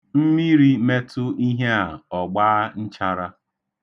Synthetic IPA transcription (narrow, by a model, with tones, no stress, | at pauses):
m̩˦mi˦ɾi˦me˦tʊ˦i˦ɦe˦a˨ɔ˨ɡ͡baː˦n̩˦t͡ʃa˦ɾa˦